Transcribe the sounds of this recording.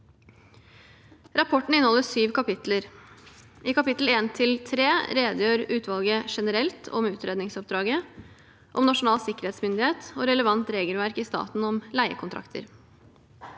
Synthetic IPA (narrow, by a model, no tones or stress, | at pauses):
ɾɑpʰɔʈɳ̩ɪnhɔlːəsyːʋkʰɑpɪt̪ləɾ | ʔiːkɑpɪt̪l̩eːnt̪ʰɪlt̪ʰɾeːɾeːd̪jøːɾʉːt̪ʰʋɑlɡəʂɛnəɾɛlt̪ʰɔ̰mʉːt̪ʰɾʔeːd̪nɪŋsɔp̚d̪ɾɑːɡə | ʔɔmnɑʂʊnɑːlsɪkːəɾheːt̪smʏnd̪ɪheːt̪ɔːɾɛləʋɑnt̪ɾeːɡəlʋæɾkist̪ɑ̰ːt̪n̩ɔmlæɪə̰kʰʊnt̪ʰɾɑ̰kt̪ʰə̰ɾ